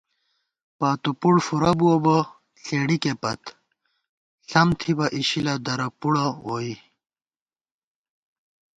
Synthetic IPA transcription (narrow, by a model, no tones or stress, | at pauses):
paːt̪upuɽfuɾɐbuɐbɐ | ɬeːɽikepɐt̪ | ɬɐmt̪ʰibɐʔiɕilɐd̪ɐɾɐpuɽɐwoi